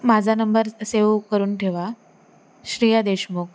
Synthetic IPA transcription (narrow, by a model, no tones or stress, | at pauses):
mad͡zʱanəmbəɾseʋkəɾuːnʈʰeʋa | ɕɾijad̪eɕmuk